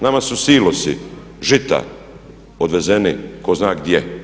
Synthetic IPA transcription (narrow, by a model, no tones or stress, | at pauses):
namasusiːlosḭ | ʒit̪a̰ | od̪ʋe̞zeniko̞znaːɡd̪ʲje